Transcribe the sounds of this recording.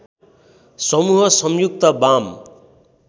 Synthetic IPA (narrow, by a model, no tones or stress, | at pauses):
sʌmuɦʌsʌmjuk̚t̪ʌbam